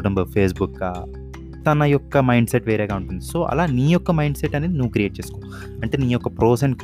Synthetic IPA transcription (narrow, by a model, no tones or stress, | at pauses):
ɖɐmbɐpʰeːs̬bukːaː | t̪ɐnɐjɔkːɐmɐjɳɖseʈʋeːɾeːɡaːuɳʈund̪iso̞ːʔɐ̰laːniːjɔkːɐmɐjɳɖseʈːɐneːd̪inuʋukɾijeːʈ̚t͡ʃeːsu̥ko | ɐɳʈeːniːjɔkːɐpɾoːseɳʈk